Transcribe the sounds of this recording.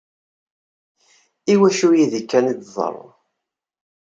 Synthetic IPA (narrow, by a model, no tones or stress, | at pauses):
iwæʃujiðikːænid̪ðˤə̰ɾˤ